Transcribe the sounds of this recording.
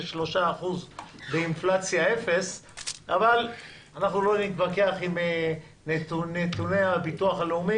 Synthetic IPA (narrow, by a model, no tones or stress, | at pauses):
ʃlo̞ʃaːχuzbeinflat͡sjae̞fe̞saval | anaχnulo̞nit̪bake̞aχime | nenet̪uneabit̪uaχaleumi